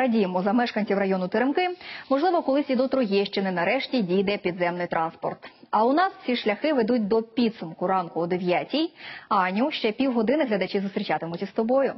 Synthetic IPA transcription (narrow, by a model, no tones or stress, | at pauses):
ɾɐdʲijmɔzɐmɛʃkɐnʲt͡sʲiwrɐjɔnʊt̪ɪɾɪmkɪmɔʒlˠɪʋɔkɔlˠɪsʲid̪ɔt̪ɾɔjiʃt͡ʃɛnɛnɐɾɛʃtʲidʲijd̪ɛpʲid̪zɛmnɪjt̪ɾɑnspɔ̰rt̪ | ɐʊnɑssʲiʃlʲɐxɪʋed̪utʲd̪ɔpʲid̪sʊmkʊɾɑnkʊɔd̪eʋʲjatʲijɑnʲuʃt͡ʃɛpʲiwɦɔd̪ɪnɪɦlʲɐd̪ɐt͡ʃɪzʊst̪ɾʲit͡ʃɑt̪ɪmʊtʲist̪ɔbɔjʊ